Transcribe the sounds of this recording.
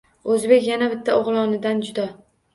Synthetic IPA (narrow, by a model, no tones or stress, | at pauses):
ɵzbe̞kʲjanabɪt̪ʰːaoʁlˠɒnɪd̪and͡ʒʊd̪a